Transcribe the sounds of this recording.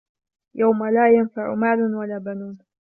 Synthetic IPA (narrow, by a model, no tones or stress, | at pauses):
jawmalaːjanfaʕʊ̰maːlʊnwalaːbanuːn